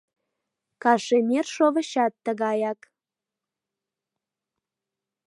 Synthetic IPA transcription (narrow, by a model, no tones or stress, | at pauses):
kɑʃemʲerʃoβəɕɑt̪ːəɣɑjɑk